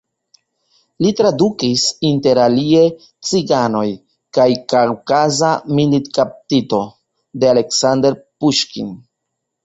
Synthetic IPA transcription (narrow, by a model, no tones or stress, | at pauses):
litɾadukisinte̞ɾalie̞ | t͡siɡano̞j | kajkawkazamilitkap̚tito̞ | deale̞ksande̞ɾpuʃkḭn